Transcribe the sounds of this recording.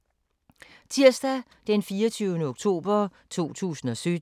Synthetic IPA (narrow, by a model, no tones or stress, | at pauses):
t͡sʰiɐ̰sd̥æ | d̥enfiːɒt͡sʰyʊnəoɡ̥̚t͡sʰo̝̰ːb̥ɐ | t͡sʰo̝̰ːt͡sʰṵːsn̩ɒ̽sød